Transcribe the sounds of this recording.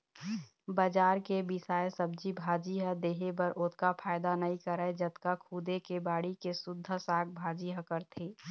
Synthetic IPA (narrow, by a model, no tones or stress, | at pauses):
bəd͡ʒaːɾkebɪsaːjsəb̚d͡ʒibʱaːd͡ʒiɦəd̪eːɦebəɾʔoːt̪̚ʰkapʰaːɪd̪anəɦĩkəɾəed͡ʒət̪kakʰuːd̪ekebaːɽikesʊd̪ʱːəsaːk̚ʰbʱaːd͡ʒiɦəkəɾt̪ʰeː